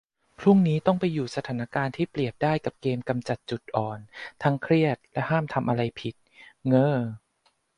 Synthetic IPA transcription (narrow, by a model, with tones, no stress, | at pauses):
pʰɾu˥˩ŋniː˦˥t̪ɔ˥˩ŋpa˧jːuː˨˩sa˧t̪ʰaː˩˦na˦˥kaː˧nt̪ʰiː˥˩pli˨˩əp̚daː˥˩jka˨˩p̚keː˧mka˧mt͡ɕa˨˩t̪̚t͡ɕu˨˩t̪̚ʔɔː˨˩nt̪ʰa˦˥ŋkʰɾi˥˩ət̪̚lɛ˦˥ʔhaː˥˩mt̪ʰa˧mʔa˧ɾa˧jpʰi˨˩t̪̚ŋɤː˥˩